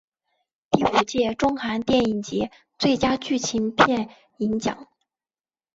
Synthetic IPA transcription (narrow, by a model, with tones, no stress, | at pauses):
t̪i˥˩u˨˩t͡ɕjɛ˥˩ʈ͡ʂʊ˥ŋxa˧˥nt̪jɛ˥˩ni˨˩ŋt͡ɕjɛ˧˥ | t͡swe˥˩ɪt͡ɕja˥t͡ɕy˥˩t͡ɕʰi˧˥npʰjɛ˥˩n | i˧˥ŋt͡ɕjɑ̰˨˩˦ŋ